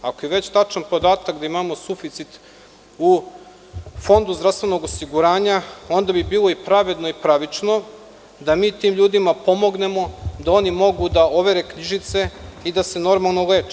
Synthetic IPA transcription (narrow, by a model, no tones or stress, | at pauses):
akojeʋe̞t͡ɕt̪at͡ʃanpo̞d̪aːt̪akd̪aimamo̞sufit̪sit̪ | u | fo̞nd̪uzd̪ɾafst̪ʋe̞no̞ɡosiɡuɾaːɲao̞nd̪abibiːlˠo̞ipɾaʋe̞d̪no̞ipɾaʋit͡ʃno̞ | d̪amiːt̪iːmʎuːd̪imapo̞mo̞ɡne̞mo̞d̪ao̞nimo̞ɡud̪ao̞ʋe̞ɾe̞kɲiʒit̪se̞id̪ase̞no̞ɾmalˠnole̞ːt͡ʃe̥